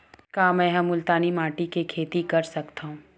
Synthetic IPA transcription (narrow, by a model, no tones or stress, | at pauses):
kaːmɛ̃ːɦɐmʊlt̪aːnimaːʈikekʰeːt̪ikɐɾsɐkt̪aːɦũː